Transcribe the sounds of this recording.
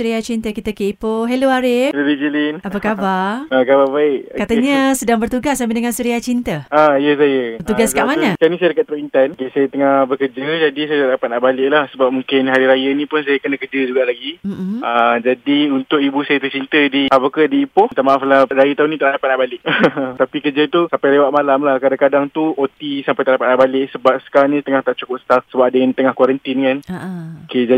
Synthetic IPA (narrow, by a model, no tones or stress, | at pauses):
suɾiat͡ʃint̪əkit̪əkeʔipoɦeloaɾɪluɾid͡ʒəlɪnapakabarəkababaɪʔkat̪aɲəsədaŋbərt̪uɡasːamɪdəŋansuɾiat͡ʃint̪əaijəsajəət̪uɡaskaʔmaɲat͡ʃanĩsajədəkat̪̚əɾoint̪ankesajət̪əŋabəkərd͡ʒəd͡ʒadisajət̪aʔdapat̪̚naʔbalɪʔ̚lahsəbap̚muŋkɪnɦaɾiɾajanĩpʊns̬ajəkənakəd͡ʒəd͡ʒuɡaʔlaɡiəmd͡ʒadiunt̪ʊkibusajat̪ərt͡ʃint̪ədiapakadiːpʊht̪amaaflaɾajət̪aɦʊnit̪aʔadapat̪̚naʔbalɪʔt̪apikərd͡ʒət̪usampajlewat̪ʔ̚malamlahkadakadaŋt̪uot̪isampajt̪aʔdapat̪̚naʔbalɪʔsəbap̚sə̥kaɾaŋnĩt̪əŋaht̪aʔt͡ʃukʊp̚st̪afsəbap̚dəŋant̪əŋahkwaɾənt̪inkanoked͡ʒa